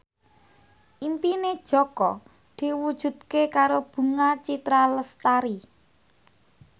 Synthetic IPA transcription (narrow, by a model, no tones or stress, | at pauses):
ʔimpined̥ʒ̥ɔ̤kɔ | d̪̥i̤wud̥ʒ̥ṳd̪̥̚kekaɾob̥ṳŋat͡ʃit̪ɾaləst̪aɾi